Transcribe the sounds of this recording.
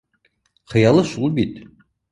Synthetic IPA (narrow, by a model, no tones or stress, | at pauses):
χɤ̆jɑlˠɤʃulˠbit̪